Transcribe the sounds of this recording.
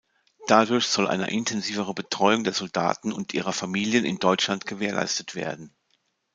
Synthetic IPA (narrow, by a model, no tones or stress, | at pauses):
d̥adʊɐçz̥ɔlʔa̰ɪnə̰ʔɪntʰɛnziːvəʁ̞əbətʁ̥ɔʏʊŋdeːɐzɔlda̰ːtn̩ʊntʔḭːʁɐfamiːljənɪ̰ndɔʏt͡ʃlantɡ̥əveːɐlʔa̰ɪstətv̥ḛːɐdn̩